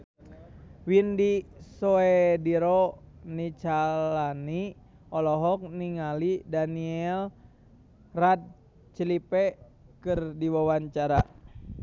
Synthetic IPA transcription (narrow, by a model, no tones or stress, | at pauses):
windisoediɾɔnit͡ʃalani | ɔlɔɦɔk̚niŋalidaniɛl | rat̪̚ | t͡ʃəlipɛ | kɨrdiwawaɲt͡ʃaɾa